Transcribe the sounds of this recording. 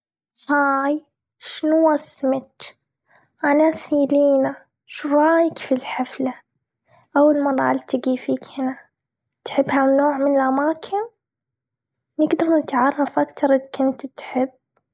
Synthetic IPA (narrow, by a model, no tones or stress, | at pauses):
haːj | ʃɪnuwasmɪt̪ | ʔanasiːliːna | ʃuɾˤɑːjɪkfilħafla | ʔawːalmɑˤɑʕalt̪ɪɡifiːkhɪna | t̪ħɪbːhanoːʕmɪnɪlʔamaːkʰɪn | nɪɡd̪ɑɾˤnɪt̪ʕɑrˤːɑfʔakt̪ɑɾˤʔɪðkʊnt̪t̪ħɪbː